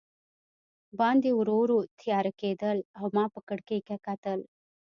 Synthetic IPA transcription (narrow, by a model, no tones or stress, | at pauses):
bãːnd̪iuɾoːɾut̪ʰijaːɾɐkeːd̪əlɐwmaːpəkəɽkekakaːt̪əl